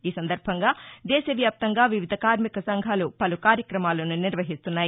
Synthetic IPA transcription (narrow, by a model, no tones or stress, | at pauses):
iːsɐnd̪ɐɾbʱɐŋɡaːd̪ɛːʃɐʋjaːp̚t̪ɐŋɡaːʋiʋid̪ʱɐkaːɾmikɐsɐŋɡʱaːlupɐlukaːɾjɐkɾɐmaːlɐnuniɾʋɐɦist̪unːaːji